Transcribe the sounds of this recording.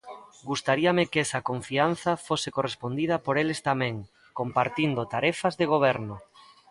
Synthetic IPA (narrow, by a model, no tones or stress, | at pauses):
ɡust̪aɾiamɪkɛsɐkoɱfian̟θɐfosekorespond̪ið̞ɐpoɾelest̪amɛ̃ŋ | kompaɾt̪ind̪ot̪aɾɛfazðeɣ̞oβ̞ɛɾno